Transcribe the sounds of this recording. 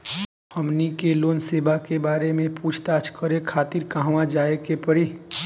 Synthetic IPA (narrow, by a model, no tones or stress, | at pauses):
həmnikeloːnseːbakebaːɾemẽpuːt͡ʃʰt̪at͡ʃʰkəɾekʰaːt̪iɾkaɦʋãd͡ʒaːekepəɾiː